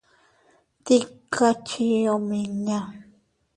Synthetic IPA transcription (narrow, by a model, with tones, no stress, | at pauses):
t̪i˦kːa˦˧t͡ʃi˦o˧me˧ɲã˧